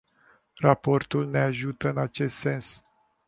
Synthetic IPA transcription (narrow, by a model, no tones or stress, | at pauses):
rapo̞rt̪ulne̞aʒut̪əɨnat͡ʃe̞st̪se̞ns